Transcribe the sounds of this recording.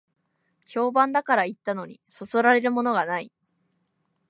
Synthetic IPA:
ço̞ːbãnd̪akaɾait̪ːano̞ɲ̟ḭso̞so̞ɾaɾe̞ɾɯ̟mo̞no̞ɡanai

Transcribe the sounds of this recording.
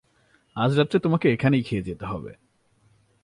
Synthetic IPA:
ad͡ʑɾat̪ːɾet̪omakeekʰanejkʰied͡ʑet̪eɦɔbḛ

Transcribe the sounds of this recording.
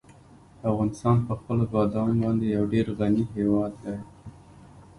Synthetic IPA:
afɣɑnɪst̪ɑnpəxpəlobɑd̪ɑnobɑnd̪ejawɖeɾɣaniɦewɑd̪ːaj

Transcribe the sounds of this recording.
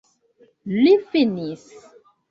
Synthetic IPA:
lifinis

